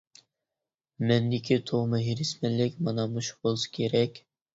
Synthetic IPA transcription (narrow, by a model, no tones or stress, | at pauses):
mɛnd̪ikʲʰit̪ʰomɨɦiɾɪsmɛlɪkʲmɑnɑmuʃbolˠskʲʰeɾɛkʲ